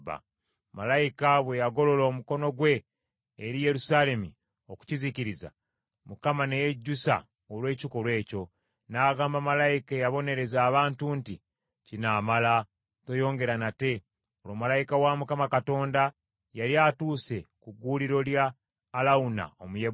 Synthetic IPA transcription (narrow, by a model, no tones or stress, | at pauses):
ba̰ | malajikaβwe̞jaɡo̞lo̞loːmuko̞no̞ɡwe̞ː | ɾije̞ɾusaːle̞mi | o̞ku̥ciziciɾiza̰ | mukamane̞jeɟːusa̰ | olwe̞ːciko̞lwe̞ːco̞ | naːɡaːmbamalajikejaβo̞ne̞ɾe̞zaːβaːntunti | cinamala | to̞jo̞ːŋɡe̞ɾanate̞ | olwomalajikawamukamakato̞ːnda | jaɾiaːtuːse̞kuɡuːliɾo̞ljaː | launa̰omuje